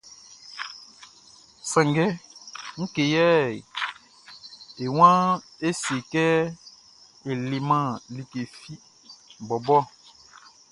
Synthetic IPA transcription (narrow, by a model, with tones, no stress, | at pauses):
sɛ̃˨ŋɡɛ˦ŋ̩˦ke˨jɛ˦˨j | e˨w̃ã˦e˦si˨e˨kɛ˦ | e˨le˨mã˦li˨ke˨fi˦ | bɔ˨bɔ˦